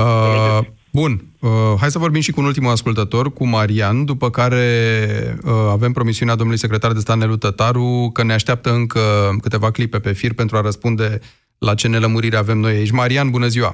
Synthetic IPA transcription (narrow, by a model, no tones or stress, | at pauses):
ə | bun | əɦajs̬əvo̞rbimʃikuːnult̪̬imuaskult̪ət̪o̞rkumaɾiand̪upəkaɾe̞ | əave̞mpɾo̞misiunead̪omnulujse̞kɾet̪ard̪e̞st̪at̪e̞lut̪ət̪aɾukəneaʃt̪eap̚t̪əɨŋkəkɨt̪e̞vaklipe̞pe̞firpe̞nt̪ɾuaɾəspund̪e̞ | lat͡ʃe̞ne̞ləmuɾiɾeave̞mno̞jait͡ʃʲmaɾianbunəziwa̰